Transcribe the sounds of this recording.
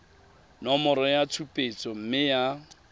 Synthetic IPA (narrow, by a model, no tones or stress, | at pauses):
nɔmɔɾɔjat͡sʰupʼet͡sʼɔm̩mɪja